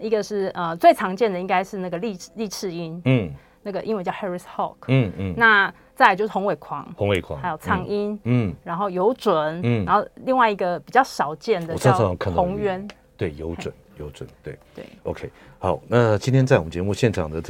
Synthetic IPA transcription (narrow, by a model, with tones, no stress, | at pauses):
i˧˦˥ɡə˨ʂɻ̩˥˩ə˧t͡swe˥˩ɪt͡sʰɑ˧˥ŋt͡ɕjɛ˥˩nd̪ə˩i˧˥ŋɡa˥ɪʂɻ̩˥˧na˥˩ɡə˩li˥˧li˥˧ʈ͡ʂʰɻ̩˥˧i˦n̩˥˩ | na˥˩ɡə˩ʔi˥nwt͡ɕjhɛ˥˧ɹi˧shɑ̰˥˨k̩ʰ˥˩˥na˥˧ | t͡sa˥˩˨t͡ɕjo˥˧ʂɻ̩˥˩o˧˥ŋwe˨˩ɪkʰwɑ˧˦ŋho˧˦ŋwe˨˩kʰw̰ha˥jo˨˩ʊt͡sʰɑ˥ŋi˥n̩˥˩ɻa˧˥nxo˥˩ʊjo˧˦ʊt͡swə˨˩˦n̩˥˩˨nxo˥˩ʊli˥˧ŋwa˥˩ɪi˧˥ɡə˧pi˨˩t͡ɕjɑ˥˩ʊʂɑ˨˩ʊt͡ɕjɛ˥˩nd̪ə˨˩ɑ˥˧˥kʰə˨˩no˧˦ŋɥɛ˦n | t̪we˥˩ɪjo˨˧˦ʊt͡swə̰˨˦njo˨˧˦ʊt͡swə̰˨˩˦nt̪we˥˩ɪt̪wḛ˥˩ɪo̰˧˦kʰe˥ɪ | hɑ˨˦ʊna˥˨t͡ɕi˥nt̪ʰjɛ˥nt͡sa˥˩wɔ˨˩mə˦nt͡ɕɛ˧˦mu˥˧ɕjɛ˥˨nʈ͡ʂʰɑ̰˨˩ŋd̪ə˦